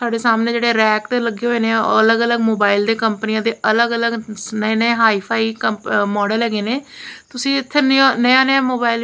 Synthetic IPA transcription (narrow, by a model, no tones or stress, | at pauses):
saːɖeːsaːmneːd͡ʒeːɽeːɾɛːkt̪eːləɡːeːɦoːeːneːləɡələɡmoːbaːɪld̪eːkəmpənɪjãːd̪eːʔələɡələɡneːnẽːɦaːiːpʰaːiːkəmmɔːɖəlɦɛːɡeːneːt̪ʊsĩːɪt̪ʰːeːnãnəjãːnəjaːmoːbaːɪl